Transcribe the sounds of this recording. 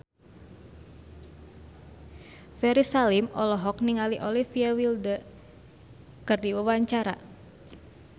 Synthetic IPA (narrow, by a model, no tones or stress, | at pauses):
fɛɾisalimɔlɔɦɔk̚niŋaliʔɔlifiawildə | kɨrdiwuwaɲt͡ʃaɾa̰